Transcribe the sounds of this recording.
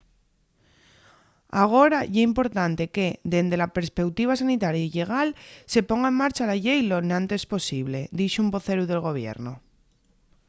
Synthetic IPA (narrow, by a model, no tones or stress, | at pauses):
aɣ̞o̞ɾajeimpo̞ɾt̪ant̪e̞ked̪e̞nd̪e̞lapeɾspe̞wt̪iβ̞asanit̪aɾjaiʎe̞ɣ̞alse̞po̞ŋɡaemmaɾt͡ʃalaʎejlo̞nãnt̪e̞spo̞siβle̞d̪iʃumbo̞θe̞ɾuðe̞lɣo̞β̞je̞̰ɾno